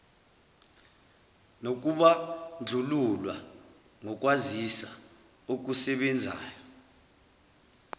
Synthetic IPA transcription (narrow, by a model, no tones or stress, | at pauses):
nok̬ʼuɓand͡ɮʱululwa | ŋɔk̬ʼwazisa | uk̬usɛɓɛnd͡zʱa̰ːjɔ